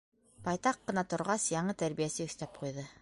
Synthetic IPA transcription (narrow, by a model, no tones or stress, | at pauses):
pɑjt̪ɑqːɤ̆nɑt̪ŏɾʁɑsjɑɴɤt̪æɾβijæsɘɵ̆θt̪æp̚qujðɤ